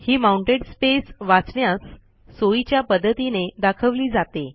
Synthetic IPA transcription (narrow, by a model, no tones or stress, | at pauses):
hiːmauɳʈeɽspesʋat͡sɳjasː | oit͡ɕjapəd̪ʱːət̪ined̪akʰəʋliːd͡zat̪e